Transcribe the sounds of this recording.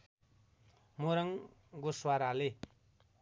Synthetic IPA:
moɾʌŋ | ɡoswaɾale

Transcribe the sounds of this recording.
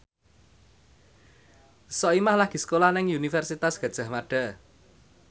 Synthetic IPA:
sɔʔimahlaɡ̥i̤sə̥kolahnɪŋunifɛrsit̪asɡ̥a̤d̥ʒ̥ä̤hmaɖ̥a̤

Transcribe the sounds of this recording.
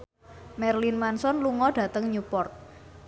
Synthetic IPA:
mɛrlinmansɔnluŋɔɖ̥ä̤t̪əŋɲupɔrt̪̚

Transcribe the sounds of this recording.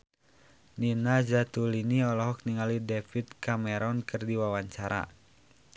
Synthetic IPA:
ninad͡ʒat̪uliniɔlɔɦɔk̚niŋalidɛfit̪̚kamɛɾɔnkɨrdiwawaɲt͡ʃaɾa̰

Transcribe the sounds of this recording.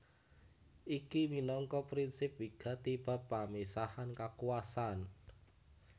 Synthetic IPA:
ʔikiminɔŋkɔpɾinsɪp̚wiɡ̥a̤t̪ib̥a̤pːamisahankakuasan

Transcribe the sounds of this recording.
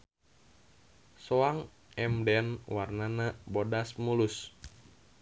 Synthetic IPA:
soaŋ | ɛmdɛnwarnanabodasmulus

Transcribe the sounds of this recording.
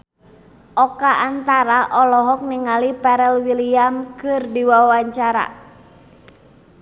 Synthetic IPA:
ʔɔkaʔant̪aɾaʔɔlɔɦɔk̚niŋalipɛɾɛlwiliamkɨrdiwawaɲt͡ʃaɾa̰

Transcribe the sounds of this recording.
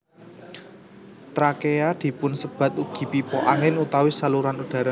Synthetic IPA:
t̪ɾakejad̪̥i̤pʊnsəb̥ä̤t̪uɡ̥i̤pipɔʔaŋɪnut̪awisaluɾanud̪̥a̤ɾa

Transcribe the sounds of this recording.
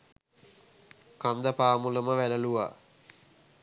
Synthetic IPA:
kand̪əpaːmuləməʋæləluʋa̰

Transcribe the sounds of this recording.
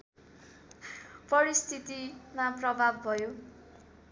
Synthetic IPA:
pʌɾist̪ʰit̪imaprʌbʱab̚ːʱʌjo

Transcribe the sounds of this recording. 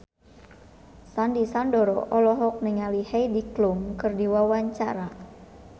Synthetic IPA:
sandisandɔɾɔ̰ʔɔlɔɦɔk̚nɪŋalihejdiklʊmkɨrdiwawaɲt͡ʃa̰ɾa

